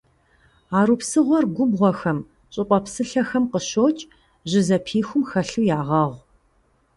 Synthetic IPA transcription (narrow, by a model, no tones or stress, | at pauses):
aːɾuːpsɨʁʷɔrɡʷʊbʁʷɔxɐm | ɕʼɪqʷʼɔpsɨɬɐxɐmqəɕoːt͡ʃʼ | ʑɪzɐpʰiːxʷʊmxɐɬujaːʁɐʁʷ